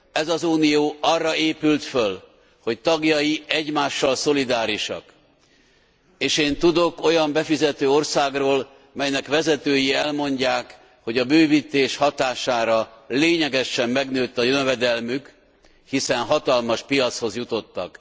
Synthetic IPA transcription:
ɛzɒzuːnijoːʔɒrːɒeːpylt̪føl | ho̞ct̪ɒɡjɒjiʔɛɟmaːʃːɒlso̞lid̪aːɾiʃɒ̰k | eːʃeːnt̪ud̪o̞ko̞jɒmbɛfizɛt̪øːo̞rsaːɡroːl | mɛjnɛkʋɛzɛt̪øːjiɛlmo̞ɲɟaːk | ho̞ɟɒbøːvit̪eːʃhɒt̪aːʃaːɾɒleːɲɛɡɛʃɛmːɛɡnøːt̪ːɒjønvɛd̪ɛlmyk | hisɛnɦɒt̪ɒlmɒʃpijɒt̪sho̞zjut̪o̞t̪ːɒ̰k

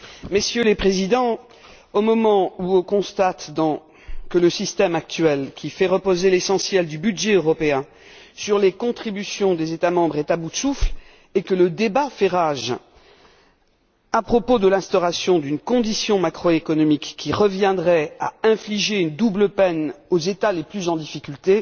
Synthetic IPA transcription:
mesjølepχezid̪ɑ̃ | omɔmɑ̃uɔ̃kɔ̃st̪at̪d̪ɑ̃ | kələsist̪ɛmak̚t̪ɥɛlkʲʰifɛʁəpozelesɑ̃sjɛld̪ybyd̪ʒɛøʁɔpeɛ̃ | syʁlekɔ̃t̪χibysjɔ̃d̪ezet̪amɑ̃bʁɛt̪abud̪sufl | ekələd̪ebafɛʁaʒ | apχɔpod̪əlɛ̃st̪ɔʁasjɔ̃d̪ynkɔ̃d̪isjɔ̃makχoekɔnɔmikːʲiʁəvjɛ̃d̪ʁɛa̰ɛ̃fliʒeynd̪ubləpɛnozet̪aleplyzɑ̃d̪ifikʲylt̪e

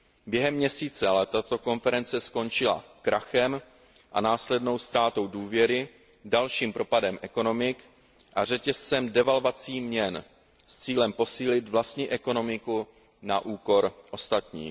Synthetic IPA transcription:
bjɛɦɛmːɲɛsiːt͡sɛalɛt̪at̪o̞ko̞nfɛɾɛnt͡sɛsko̞nt͡ʃɪla̰kɾʔaxɛm | ʔanaːslɛdno̞wst̪ɾaːt̪o̞wduːvjɛɾɪ | dalʃiːmpɾo̞padɛmʔɛko̞no̞mɪk | ʔar̝ɛcɛst͡sɛmdɛvalvat͡siːmɲɛn | st͡siːlɛmpo̞siːlɪt̪vlast̪ɲiːʔɛko̞no̞mɪku | naʔuːko̞ɾʔo̞st̪at̪ɲḭː

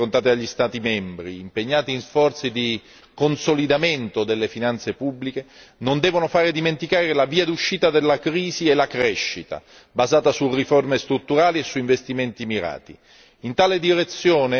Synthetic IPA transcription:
ont̪aːt̪eaʎːist̪aːt̪imɛmbɾiːmpeɲːaːt̪iːnsfɔrt̪sid̪i | konsolid̪ament̪od̪elːefinant̪sepubːlikenond̪ɛːvonofaːɾed̪iment̪ikaːɾelaviːad̪uʃːiːt̪ad̪elːakɾiːziɛlakɾɛʃːit̪a̰ | bazaːt̪asuriformest̪ɾut̪ːuɾaːliesːuiɱvest̪iment̪imiɾa̰ːt̪i | int̪aːled̪iɾet̪sːjoːne

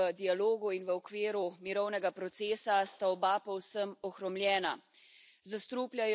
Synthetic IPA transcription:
əd̪ialoːɡuinʋəɔkʋeːɾumiɾɔwnɛɡapɾɔt̪seːsast̪aɔbapɔwsəmɔxɾɔmlʲjɛːna | zast̪ɾuːplʲjaj

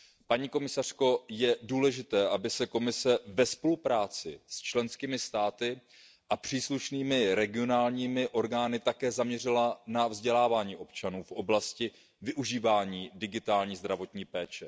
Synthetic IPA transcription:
paɲiːko̞mɪsar̝̥ko̞jɛduːlɛʒɪt̪ɛːʔabɪsɛko̞mɪsɛvɛspo̞lupɾaːt͡sɪst͡ʃlɛnskiːmɪst̪aːt̪ɪ | ʔapr̥iːsluʃniːmɪɾɛɡɪo̞naːlɲiːmɪʔo̞ɾɡaːnɪt̪akɛːzamɲɛrɪlanavzɟɛlaːvaːɲiːʔo̞p̚t͡ʃanuːfʔo̞blascɪ | vɪʔuʒiːvaːɲiːdɪɡɪt̪aːlɲiːzd̪ɾavo̞t̪ɲiːpɛːt͡ʃɛ

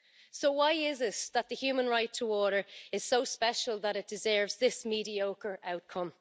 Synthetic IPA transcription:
soʊwaɪɪzɪsðət̪̚ðəhjʉːmə̃nɹaɪtʰəɔɹɾə˞ɪz̥soʊspɛʃəlˠðəɾɪt̚d̥ɪzɜ˞vzðɪsmiɾioʊkə˞ʔaʊt̚kʰʌ̃m

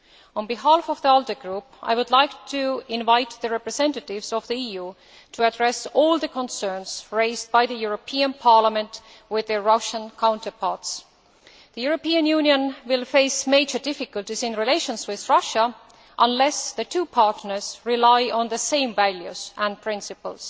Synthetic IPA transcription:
ə̃nbiɦalfɔvðiɔlˠdəɡɹupʔa̰jwʊdlaɪktʰuɪ̃nvaɪt̪ðəɹɛpɹɛsɛ̃ntətɪvzɔvðiijuː | tʰuædɹɛsolˠðəkʰə̃nsɜ˞nz̥ɹeɪzd̚baɪðəjuɹopʰiə̃npʰɑɹləmə̃nt | wɪðəɹʌʃə̃nkʰãʊ̃ntə˞pʰɑɹts | ðəjuɹopiə̃njuːniə̃nwɪlfeɪsmeɪd͡ʒə˞dɪfɪkəltisɪ̃nɹileɪʃə̃nswɪðɹʌʃə | ʔə̃nlɛsðətʰuːpʰɑɹtnə˞z̥ɹilaɪɔ̃nðəsẽɪ̃mvæljṵz̥ʔæ̃npʰɹ̥ɪ̃nsɨpə̰ls

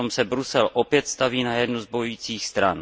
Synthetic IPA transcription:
ɔmsɛbɾusɛlʔɔpjɛt̪st̪aʋiːnajɛd̪nuzbɔjuiːt͡siːxst̪ɾa̰n

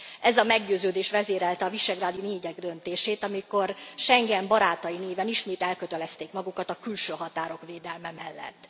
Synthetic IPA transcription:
ɛzɒmɛɡɟøːzøːd̪eːʃʋɛzeːɾɛlt̪ɛɒviʃɛɡraːd̪ioneːɟɛɡd̪ø̞nt̪eːʃeːt̪ɒmiko̞rʃɛŋɡɛmbɒɾaːt̪ɒineːvɛniʃmeːt̪ɛlkøt̪ɛlɛst̪eːkmɒɡukɒt̪ɒkylʃøːɦɒt̪aːɾo̞kveːd̪ɛlmɛmɛlːɛ̰t̪ː

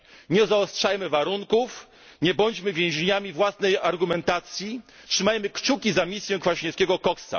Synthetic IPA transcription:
ɲɛzaɔstʂajmɘvaɾuŋkuf | ɲɛbɔɲd͡ʑmɘvʲjɛ̃w̃ʑeɲamʲivwasnɛjaɾɡumɛnt̪at̪sʲji | tʂɘmajmɘkt͡ʂukʲizamʲisʲjɛ̃kfaɕɲɛskʲɛɡɔkɔkst̪a̰

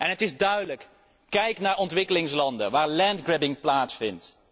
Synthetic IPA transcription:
ʔɛnɦətɪzdœɥdələk | kɛjknaːɹʔɔntʋɪkəlɪŋslɑndənʋaːɹlɛndɡrɪbɪŋplaːtsfɪnt

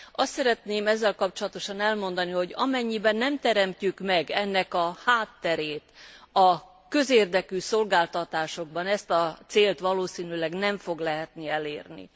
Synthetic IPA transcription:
ɒst̪sɛɾɛt̪neːmɛzːɛlkɒp̚t͡ʃo̞lɒt̪o̞ʃɒnɛlmo̞nd̪ɒniho̞ɟɒmɛɲːibɛnːɛmt̪ɛɾɛmcykmɛɡɛnːɛkɒhaːt̪ːɛɾeːt̪ɒ | kø̞zeːrd̪ɛkyːsolɡaːlt̪ɒt̪aːʃo̞ɡ̚bɒnɛst̪ɒt̪seːlt̪ʋɒloːsiːnylɛɡnɛɱfo̞ɡlɛɦɛt̪niɛleːrnḭ

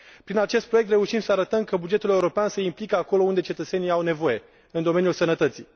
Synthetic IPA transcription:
pɾinat͡ʃe̞st̪̚pɾo̞jk̚t̪ɾe̞uʃimsəaɾət̪əmkəbud͡ʒe̞t̪ule̞uɾo̞peansəimplikəako̞lo̞und̪e̞t͡ʃe̞t̪ət̪se̞niawne̞vo̞je̞ | ɨnd̪o̞me̞nʲjulsənət̪ət̪si

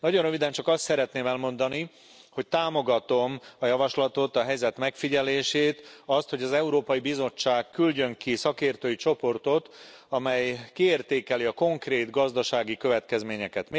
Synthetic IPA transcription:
nɒɟo̞nrøvid̪ɛnt͡ʃɒkɒst̪sɛɾɛt̪neːmɛlmo̞nd̪ɒni | ho̞c̚t̪aːmo̞ɡɒt̪o̞mɒjɒvɒʃlɒt̪o̞t̪ɒɦɛjzɛt̪mɛkfiɟɛleːʃeːt̪ɒst̪ho̞ɟɒzɛuɾoːpɒjibizo̞t͡ʃːaːkkːylɟø̞ŋkisɒkeːrt̪øːjit͡ʃo̞po̞rt̪o̞t̪ɒmɛjkieːrt̪eːkɛliɒko̞ŋkreːt̪ɡɒzd̪ɒʃaːɡikøvɛt̪kɛzmeːɲɛkɛt̪m

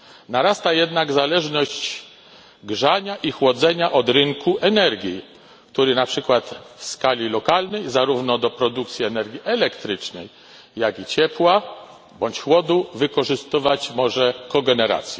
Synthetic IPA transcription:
naɾast̪ajɛd̪naɡzalɛʐnɔɕt͡ɕ | ɡʐaɲaʔixwɔd̪zɛɲaʔɔd̪ɾɘŋkuʔɛnɛɾɡʲji | kt̪uɾɘnapʂɘkwat̪fskalʲilɔkalnɛjzaɾuvnɔd̪ɔpɾɔd̪uk̚t̪sʲjiɛnɛɾɡʲjiʔɛlɛkt̪ɾɘt͡ʂnɛ̰j | jaɡʲit͡ɕɛpwa | bɔɲt͡ɕxwɔd̪uvɘkɔʐɘst̪ɘvat͡ɕmɔʐɛkɔɡɛnɛɾa̰t̪sʲjɛ

